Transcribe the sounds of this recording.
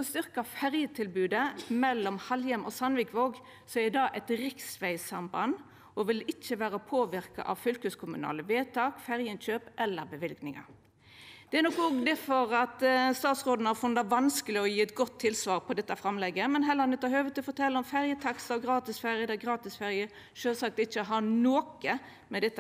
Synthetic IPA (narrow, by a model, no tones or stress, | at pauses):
ɔst̪ʏɾkɑfæʁjət̪ʰɪlbʉːd̪əmɛlːɔmhɑljəmʔɔ̰sɑnʋɪkʋoːɡ | sɔɛɾɪd̪ɑːʔɛt̪ɾɪksʋæɪsɑmbɑn | ɔʋɪlɪt͡ʃːəʋæːɾəpʰoːʋɪɾkɑ̰ʔɑ̰ʋfʏlkəskʰʊmʉnɑ̰ːləʋeːt̪ʰɑːkfæʁjənɕøːpʔɛlːəɾbəʋɪlɡnɪŋɑ̰ | d̪̥ɛæɾnɔkːɔɡd̪ɛfɔɾɑt̪st̪ɑːt̪sʁoːd̪nəhɑɾfʉnd̪ɑʋɑnskəlɪɔjiːɛt̪ɡɔt̪ʰːɪlsʋɑːʁpʰɔd̪ɛt̪ːɑfɾɑmlɛɡːəmɛnɦɛlːəʁɑnɪt̪ʰɑhøːʋət̪ʰɪlɔfɔɾt̪ʰɛlːɔmfæɾjət̪ʰɑksɑʋɡɾɑːt̪ɪsfæɾjəd̪ɛɡɾɑːt̪ɪsfæɾjə | ʃøːlsɑk̚t̪ɪçːəɦɑnoːkə | mɛd̪ɛt̪ː